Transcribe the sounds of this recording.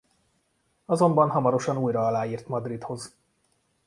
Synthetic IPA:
ɒzo̞mbɒnɦɒmɒɾo̞ʃɒnuːjrɒɒlaːjiːrt̪mɒd̪rit̪ho̞z

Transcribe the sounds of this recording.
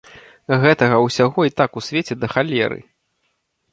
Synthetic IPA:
ɣɛt̪ɐɣɐwsʲaɣɔit̪akusʲvʲet͡sʲɛd̪ɐxalʲɛ̰ɾɨ̰

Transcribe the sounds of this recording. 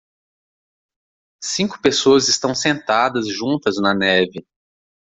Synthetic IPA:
sĩŋkʊpesoɐzɪst̪ɐ̃w̃sẽnt̪ad̪ɐzʒũt̪ɐznɐnɛvɪ

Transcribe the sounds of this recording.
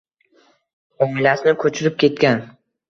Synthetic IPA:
ɒmɪlasɪnɪkʰɵt͡ʃʰɪɾɪp̚kʲe̞t̪kʲan

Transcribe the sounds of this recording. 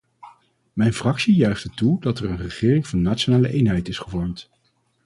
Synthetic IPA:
mɛjnfrɑksijœɥχtətudɑtɛrənrəχɪːrɪŋvɑnːaːtt͡ʃonaːləʔejnɦɛjtɪsχəvɔɹmt

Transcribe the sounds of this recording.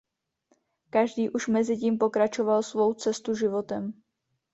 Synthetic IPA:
kaʒdiːʔuʃmɛzɪciːmpo̞kɾat͡ʃo̞valsvo̞wt͡sɛst̪uʒɪvo̞t̪ɛm

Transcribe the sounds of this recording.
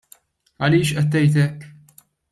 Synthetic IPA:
ɐliːʃʔɛt̪ːɛjt̪ɛkː

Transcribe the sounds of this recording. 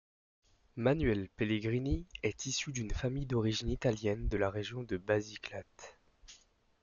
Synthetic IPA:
manyɥɛlpeleɡʁiniɛt̪isyd̪ynfamijd̪ɔʁiʒinit̪aljɛnd̪əlaʁeʒjɔ̃d̪əbaziklat̪

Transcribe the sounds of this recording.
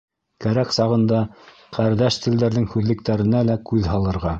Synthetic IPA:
kæɾæksɑʁɤ̆nd̪ɑ | qæɾd̪æʃt̪ɘ̆ld̪æɾðɘŋhʉðlɘ̆k̚t̪æɾɘ̆nælækʉðɦɑlˠɤ̆ɾʁɑ

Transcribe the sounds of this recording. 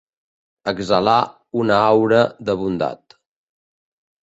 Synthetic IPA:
əɡzəla | unəawɾəðəβund̪a̰t̪

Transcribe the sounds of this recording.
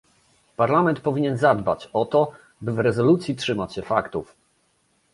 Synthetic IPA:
paɾlamɛnt̪̚pɔvʲiɲɛnzad̪ba̰t͡ɕɔt̪ɔ | bɘvɾɛzɔlut̪sʲjitʂɘmat͡ɕɕɛfakt̪uf

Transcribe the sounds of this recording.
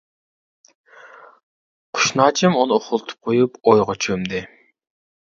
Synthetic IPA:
qʰʊ̥ʃnɑːt͡ʃʰɪmunɨoχʊlˠt̪ʰʊ̥p̚qʰojupojʁɑt͡ʃʰømd̪ɪ

